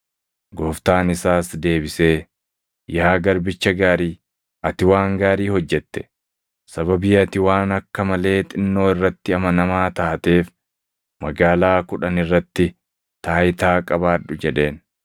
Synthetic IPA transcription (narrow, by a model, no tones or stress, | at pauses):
ɡɔːft̪aːnɪsaːsd̪e̞ːbɪse̞ː | jaːɡɐɾbɪt͡ʃːɐɡaːɾiː | ʔɐt̪ɪwaːŋɡaːɾiːhɔd͡ʒːɛt̪ːɛ̥ | sɐbɐbiːɐt̪ɪwaːnɐkːɐmɐle̞ːt̪ʼɪnːo̞ːɪrːɐt̪ːɪɐmɐnɐmaːt̪aːt̪e̞ːf | mɐɡaːlaːkʊᶑɐnɪrːɐt̪ːɪ | t̪aːjɪt̪aːkʼɐβaːᶑʊd͡ʒɛᶑe̞ːn